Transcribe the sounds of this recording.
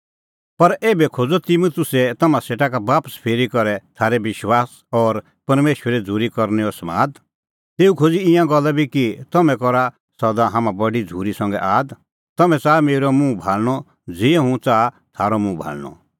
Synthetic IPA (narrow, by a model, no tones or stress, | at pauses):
pɐɾeːbɛkʰod͡zɔt̪imut̪ʊsɛt̪ɐmãseːʈakabaːpəspʰeːɾikɔɾɛt̪ʰaːɾɛʋɪʃwaːs | ɔːɾ | pɐɾmeːʃwəɾɛd͡zʱuːɾikɔɾnɛɔsma̰ːd̪ | t̪eːukʰod͡ziɪ̃jãɡɔlːabikit̪ɐmɛ̃kɔɾa | sɐd̪aɦãːmãbɐɽid͡zʱuːɾisɐ̃ŋɡɛ̰ʔaːd̪ | t̪ɐmɛ̃t͡saːmeːɾɔmũbʱaːlñɔ | d͡zɪːɛɦũt͡saː | t̪ʰaːɾɔmũbʱa̰ːlñɔ̰